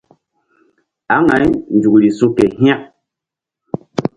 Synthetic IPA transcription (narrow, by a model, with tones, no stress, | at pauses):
a˨˦ŋa˨˦jn˨d͡ʒu˨kɾi˨su˦kɛ˨ɦja˦˨ʔ